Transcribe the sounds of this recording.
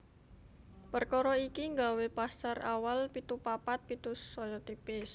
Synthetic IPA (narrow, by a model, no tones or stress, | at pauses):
pərkɔɾɔikiŋɡawepasara̰walpit̪upapat̪̚pit̪usɔjɔt̪ipɪs